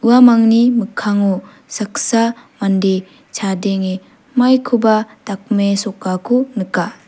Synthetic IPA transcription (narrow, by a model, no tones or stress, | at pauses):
uamaŋnimɯkʰːaŋu | sak̚samande | t͡ʃʰadeŋe | majkʰubatak̚mesɔkːakʰunɯka